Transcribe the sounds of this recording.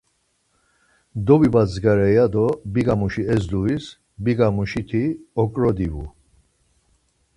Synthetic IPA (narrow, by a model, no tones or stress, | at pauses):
d̪ɔbibazɡaɾɛjad̪ɔbiɡamuʃiɛzd̪uvis | biɡamuʃit̪ʰiɔkʼɾɔd̪ivṵ